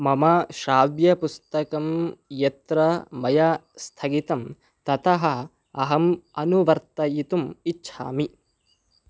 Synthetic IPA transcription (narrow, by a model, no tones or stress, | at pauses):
mɐmɐʃaːʋjɐpust̪ɐkɐmjɐt̪ɾɐmɐjast̪ʰɐɡit̪ɐm | t̪ɐt̪ɐɦɐ | ɐɦɐmɐnuʋɐɾt̪ɐjit̪umitːʃʰa̰ːmi